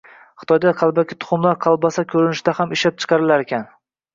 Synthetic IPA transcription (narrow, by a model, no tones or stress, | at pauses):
χɪ̥t̪ʰɒjd̪aqʰɑlˠbakʲʰɪt̪ʰʊ̥χʊmlaɾqʰɑlˠbasakʲʰɵɾɪnɪʃd̪ahamɪʃlap̚t͡ʃʰɨ̥qʰɑɾɪlaɾekʲʰan